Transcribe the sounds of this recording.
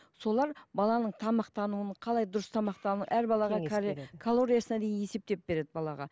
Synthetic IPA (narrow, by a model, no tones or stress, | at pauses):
so̞lˠɑɾbɑlˠɑnəɴt̪ʰɑmɑq̚t̪ɑnuənqʰɑlˠɑjd̪ʊɾəst̪ʰɑmɑqt̪ɑnuʔæɾbɑlˠɑʁɑkʰalˠo̞ɾijasənɑd̪e̞jɪnje̞se̞p̚t̪e̞p̚be̞ɾe̞d̪ɪbɑlˠɑʁɑ̰